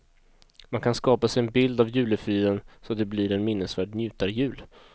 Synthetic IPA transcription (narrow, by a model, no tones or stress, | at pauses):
mankʰanskɑːpasɛɛnbɪld̪avjʉ̟ːləfyːɾənsɔat̪̚d̪ɛblɪɾɛnmɪnːəsvæːɖnjʉ̟ːt̪aɾjʉ̟ːl